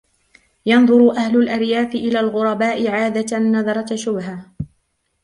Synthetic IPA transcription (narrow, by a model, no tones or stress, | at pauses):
jɑnðˤʊɾʊʔahlʊlʔaɾjaːfɪʔɪlaːlɣʊɾˤɑbaːʔɪʕaːd̪anːɑðˤɑɾˤɑʃʊbɦa